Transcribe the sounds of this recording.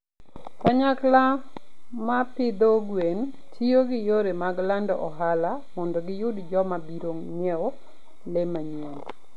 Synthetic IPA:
kaɲakla | mapɪd̪oɡwen | tʰijoɡɪjoɾemaɡlandɔʔɔɦala | mɔndɔɡɪjʊdd͡ʒɔmabiɾoŋɲɛ | lemaɲen

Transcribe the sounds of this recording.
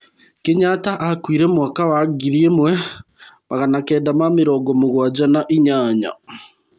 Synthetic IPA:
keɲataʔakwiɾɛmwakawaɡiðiemwɛ | maɣanakɛːdamameɾɔːɡɔmoɣwad͡ʑanaʔiɲaːɲa̰

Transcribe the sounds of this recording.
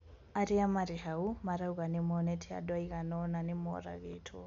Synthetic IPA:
aɾiamaɾihaumaɾauɣanemɔnɛtʰia̰dwaiɣanɔnanemɔ̰ɾa̰ɣetʰṵ

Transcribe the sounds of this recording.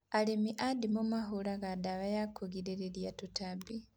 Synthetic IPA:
alemiʔadimumaɦulaɣadaβajakʰoɡiɾeɾeljatutabi

